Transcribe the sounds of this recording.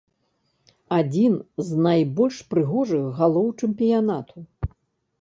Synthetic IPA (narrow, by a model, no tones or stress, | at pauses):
ad͡zʲinznajbɔlʲʂpɾɨɣɔʐɨxɣalˠɔwt͡ʂɨmpʲijanat̪ʰu